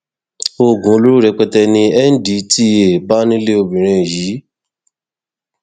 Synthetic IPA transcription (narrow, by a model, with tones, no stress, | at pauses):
o˧ɡũ˨˦o˧˦lu˦ɾu˦ɾɛ˨˧k͡pɛ˧tɛ˧nĩ˧ɛ˦n̩˦di˨˦ti˦e˨ba˦nĩ˦le˦o˧bĩ˨ɾ̃ĩ˧˨jiː˨˦